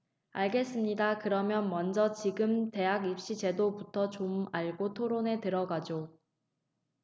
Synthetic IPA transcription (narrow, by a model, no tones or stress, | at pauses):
aɭɡe̞s͈ɯmɲidakɯɾʌmjʌnmʌnd͡ʑʌt͡ɕiɡɯmte̞jaɡip̚ɕ͈id͡ʑe̞doputʰʌt͡ɕomaɭɡotʰoɾone̞tɯɾʌɡad͡ʑo